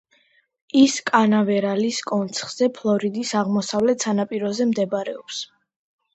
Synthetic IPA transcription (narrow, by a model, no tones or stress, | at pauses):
iskʼanavɛɾaliskʼɔnt̪sʰχz̥ɛpʰlˠɔɾid̪isaʁmɔsavlɛt̪sanapʼiɾɔzɛmd̪ɛbaɾɛɔps